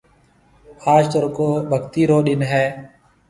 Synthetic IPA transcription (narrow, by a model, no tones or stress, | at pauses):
aːd͡ʒt̪əɾkoːbʱəkt̪iːɾoːɗɪnɦɛː